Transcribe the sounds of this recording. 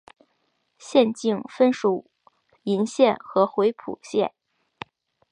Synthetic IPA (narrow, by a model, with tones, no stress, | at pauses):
ɕjɛ˥˧nt͡ɕi˥˩ŋfə˥nʂu˨˩ | i˧˥nɕjɛ˥˩nxɤ˧˥xwe˧˥ɪpʰṵ˨˩ɕjɛ˥˩n